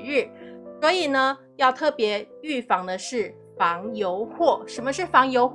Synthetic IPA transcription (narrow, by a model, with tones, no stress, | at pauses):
ɻɻ̩˥˩swɔ˧˥i˨˩nə˦ | jɑ˥˧ʊt̪ʰɤ˥˩pjɛ˧˥y˥˩fɑ˧˥ŋd̪ə˧ʂɻ̩˥˩ | fɑ˧˥ŋjo˧˥ʊxwɔ˥˩ʂə˧˥nmə˧ʂɻ̩˥˩fɑ˧˥ŋjo˧˥ʊx